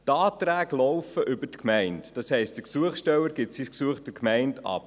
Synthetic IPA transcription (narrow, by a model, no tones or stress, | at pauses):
tɑːtɾæːɡlɔʊfəʔʏbəɾtkʰmɛɪntd̥ɑshɛɪst̚d̥əksuəχsʃtɛwəɾɡɪtsisksuəχtəkʰmɛɪndɑ̰p